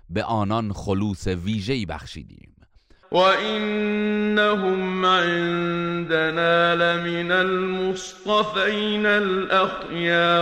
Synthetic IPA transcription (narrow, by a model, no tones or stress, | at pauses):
beʔɒːnɒnxoluːseviːʒeiːbæ̰xʃḭːd̪ḭːm | wʔaʔɪnːaɦʊmʕɪnd̪anaːlamɪnalmʊst̪ˤɑfajnalʔax | jaː